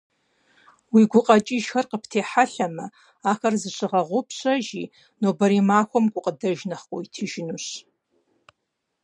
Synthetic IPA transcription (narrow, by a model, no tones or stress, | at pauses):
wiɡʷʊqʼat͡ʃʼɪʒxɐrqəpʰtʰeːħaɬamɐ | axɐrzɨʃʰʷɨʁɐʁʷʊpʰɕʷʰʼɐʒi | nobɐɾimaːxʷɐmɡʷʊqʼədɐʒnɐχkʷʼoitʰɨʒɪnuɕ